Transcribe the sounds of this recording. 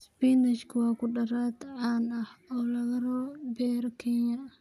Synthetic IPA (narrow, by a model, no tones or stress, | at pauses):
sbiːnɪʃkʰwɑːkʰʊɖɐɾaːd̪ʕaːnɐhɔːlɐɣɐɾɔːbɛːɾkʰɛɲɐ